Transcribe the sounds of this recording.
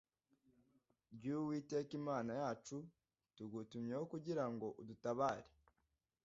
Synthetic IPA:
bɟuwite̞ːkimaːnajaːt͡ʃu | tuɡutumɲehokuɟiɾaŋɡo̞ʔudutaβaːɾe

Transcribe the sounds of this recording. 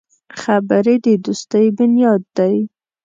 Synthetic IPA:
xabəɾed̪əd̪ust̪əjbʊnjɑd̪ːaj

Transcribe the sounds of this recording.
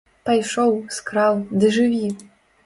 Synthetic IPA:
p̪ajʂɔwskɾawd̪ɨʐɨvʲi

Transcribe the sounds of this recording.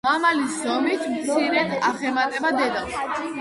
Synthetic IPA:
mamaliszɔmit̪ʰmt̪sʰiɾɛt̪ʰaχɛmat̪ʼɛbad̪ɛd̪aʃi

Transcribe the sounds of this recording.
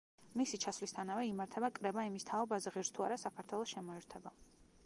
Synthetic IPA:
misit͡ʃʰasvlist̪ʰanavɛimaɾt̪ʰɛbakʼɾɛbaimist̪ʰaɔbazɛʁiɾst̪ʰuaɾasakʰaɾt̪ʰwɛlˠɔsʃɛmɔɛɾt̪ʰɛba

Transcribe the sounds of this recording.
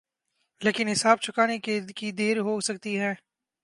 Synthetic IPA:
leːkɪnɦɪsaːb̚t͡ʃʰʊkaːnekekid̪eːɾɦoːsɐk̚t̪iɦɛː

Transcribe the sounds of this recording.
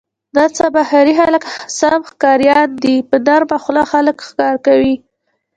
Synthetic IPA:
d̪ɑt͡sabahaɾixalksamxkɑɾjɑnd̪ipənaɾmaxlɑxaləkxkɑɾkawi

